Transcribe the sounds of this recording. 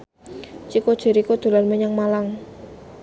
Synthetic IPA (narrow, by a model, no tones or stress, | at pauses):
t͡ʃikod̥ʒ̥ə̤ɾikod̪̥o̤larməɲaŋmalaŋ